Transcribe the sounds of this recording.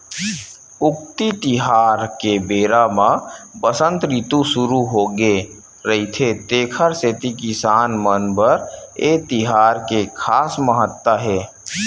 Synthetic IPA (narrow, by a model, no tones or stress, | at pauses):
ʊkt̪it̪iɦaːɾkebeːɾamãbəsə̃nt̪ɾit̪usʊɾuɦoːɡe | ɾəɦit̪ʰet̪eːkʰəɾset̪ikɪsaːnmənbəɾeːt̪ɪɦaːɾkekʰaːsməɦət̪wəɦɛː